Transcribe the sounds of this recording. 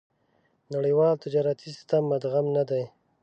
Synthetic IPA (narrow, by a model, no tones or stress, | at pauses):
naɽəjwɑlt̪ɪd͡ʒɑɾat̪ʰisɪ̥st̪amːad̪ɣamnad̪aj